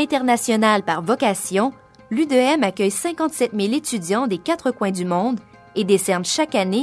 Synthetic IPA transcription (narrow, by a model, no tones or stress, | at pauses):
ɛ̃t̪ɛʁnasjɔnalpaʁvɔkasjɔ̃ | lyd̪øɛmakʲœjsɛ̃kɑ̃t̪sɛt̪milet̪yd̪jɑ̃d̪ekat̪χəkwɛ̃d̪ymɔ̃d̪ | ed̪esɛʁnʃakane